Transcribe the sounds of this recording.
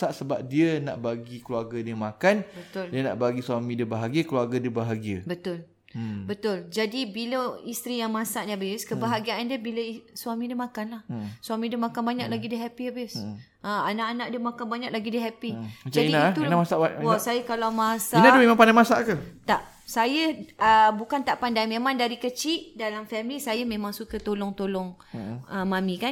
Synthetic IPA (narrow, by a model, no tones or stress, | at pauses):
saʔsəbap̚diəna̰ʔbaɡikəluarɡədiəmakanbət̪ʊldiəna̰ʔbaɡisuamĩdəbaɦaɡiəkluarɡədəbaɦaɡiəbət̪ʊl | bət̪ʊld͡ʒadibiləist̪ɾijaŋmãsaʔnbɪskəbaɦaɡiaʔandiəbiləswamĩdiəmãkanlahswamĩdəmãkanbaɲak̚laɡidəɦɛpiabɪs | ʔəanaʔanaʔdəmakanbaɲak̚laɡidəɦɛpid͡ʒadinait̪uamasaʔaɔsajəkalamasanadumemãŋpadamasaʔkət̪aʔ | sajəəbukant̪aʔpandajmemãŋdaɾikət͡ʃiʔdalamfɛmilisajəmẽmãŋsukət̪olɔŋt̪olɔŋ | əmãmikan